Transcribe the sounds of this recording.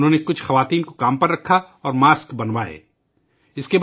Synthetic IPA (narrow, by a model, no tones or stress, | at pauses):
nɦõːnekʊt͡ʃʰxɐʋaːt̪iːnkokaːmpɐɾːɐkʰːa | ɔːɾmaːskbɐnʋaːḛː | ɪskeb